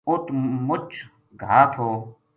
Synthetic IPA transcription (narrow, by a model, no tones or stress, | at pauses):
ʊt̪mʊt͡ʃʰ | ɡʱaːt̪ʰoː